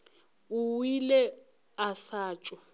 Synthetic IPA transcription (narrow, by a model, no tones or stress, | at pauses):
uwilɛ | asaːt͡ʃʼɔ